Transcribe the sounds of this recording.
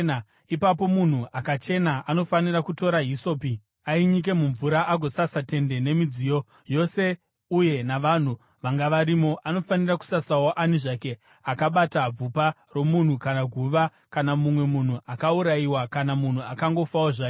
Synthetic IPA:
n | ipap̬o̞mun̤uʔakat͡ʃe̞naano̞fanirakuto̞ɾaɦiso̞pi | aiɲik̬e̞muɱvuɾaʔaɡʱo̞sasate̞nde̞ne̞mid͡zijo̞ | jo̞se̞ | uje̞naʋan̤u | ʋaŋɡaʋaɾimo̞ʔano̞faniraku̥sasawo̞ʔaniʐake̞ | akaɓatab͡vupa | ro̞mun̤ukanaɡʱuʋa | kanamumwe̞mun̤uʔakauɾaiwakanamun̤uakaŋɡo̞fawoʐaːke

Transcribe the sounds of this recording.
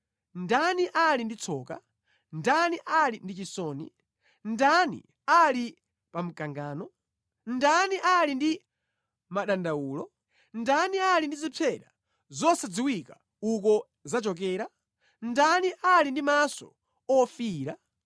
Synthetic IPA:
ndaniʔalindit͡sʰɔːka̰ | ndaniʔalindit͡ʃisɔːnḭ | ndanḭ | ali | pam̩kaŋɡaːnɔ | ndaniʔalindi | maɗandauːlɔ | ndanialindizipʰɛɗa̰ | zɔsad͡ziwika | ukɔ | zat͡ʃɔk̬ɛːɾa | ndaniʔalindimasɔ̰ | ɔfiːɾa

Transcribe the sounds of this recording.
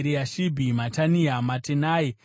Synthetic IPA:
ɾiaʃibʱimataniamatenaːi

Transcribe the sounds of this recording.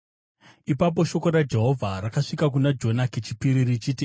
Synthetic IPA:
ipap̬o̞ʃo̞ko̞ɾad͡ʒe̞ɦo̞vʱaɾakaʂikak̬unad͡ʒo̞naket͡ʃipiɾirit͡ʃiːti

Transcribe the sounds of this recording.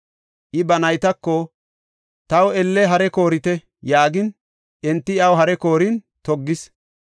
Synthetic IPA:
ʔɪbɐnɐjt̪ɐkːɔ | t̪ɐwɛlːɛɦɐɾɛko̞ːɾɪt̪ɛ | jaːɡɪn | ʔɛnt̪ːɪɐwɦɐɾɛko̞ːɾin | t̪ɔɡːɪs

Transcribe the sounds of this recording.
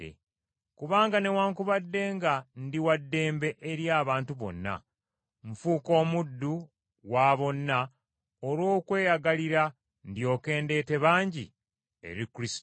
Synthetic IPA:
ḛ | kuβaːŋɡane̞waːŋkuβadːe̞ːŋɡandiwadːe̞ːmbe̞ʔeɾjaːβaːntuβo̞̰nːa̰ | ɱfuːko̞ːmudːu | waβo̞nːa | oɾwo̞ːkwe̞ːjaɡaliɾa | ndjo̞ːke̞ːnde̞ːte̞βaːɲɟḭ | e̞̰ɾikuɾis

